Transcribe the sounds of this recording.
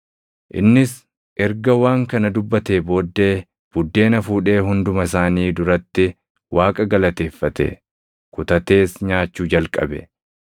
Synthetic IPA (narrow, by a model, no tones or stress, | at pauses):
ʔɪ̰nːɪs | ʔɛɾɡɐwaːŋkɐnɐd̪ʊbːɐt̪e̞ːbo̞ːd̪ːe̞ː | b̥ʊd̪ːe̞ːnɐfuːᶑe̞ːɦʊnd̪ʊmɐsaːniːd̪ʊɾɐt̪ːɪ | wʔaːkʼɐɡɐlɐt̪e̞ːfːɐt̪ɛ̰ | kʊt̪ɐt̪e̞ːsɲaːt͡ʃːuːd͡ʒɐlkʼɐ̰bɛ̰